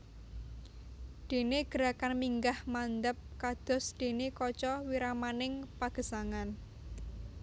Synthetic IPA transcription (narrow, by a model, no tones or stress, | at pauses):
d̪̥e̤neɡ̥ə̤ɾakanmiŋɡahmand̪əp̚kad̪̥ɔ̤sd̪̥e̤nekɔt͡ʃɔwiɾamanɪŋpaɡ̥ə̤saŋan